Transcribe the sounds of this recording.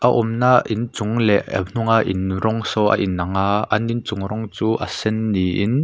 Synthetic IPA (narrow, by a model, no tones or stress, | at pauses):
ʔaʔɔmnaʔʔint͡sʊŋlɛʔɐ̰n̥ʊŋaʔinrɔŋsɔʔɐ̰ʔinːɐŋaːʔɐnint͡sʊŋrɔŋt͡suːʔɐ̰sɛnːiʔin